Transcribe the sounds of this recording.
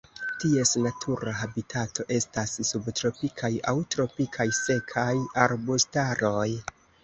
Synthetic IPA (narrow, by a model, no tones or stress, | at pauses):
tie̞snatʰuɾaɦabitʰatʰo̞ʔe̞stassubtɾo̞pikʰajawtɾo̞pikʰajse̞kʰajaɾbustaɾo̞j